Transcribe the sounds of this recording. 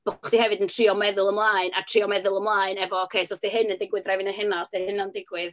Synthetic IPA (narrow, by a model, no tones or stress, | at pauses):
b̥ʊχd̥ihɛvɨdəntʰriːɔmɛðʊlˠəmlˠaːɨnatʰr̥iɔmɛðʊlˠəmlˠaːɨnɛvɔːkʰejsɔsd̥iɦɨnəndɪɡwɨðrɛvɪnaɦɛnasehɨnandɪɡwɪð